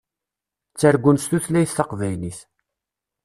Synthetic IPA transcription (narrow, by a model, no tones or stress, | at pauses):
t͡sːəɾɡʷːʊnst̪uθlæjθːɑqvæjniθ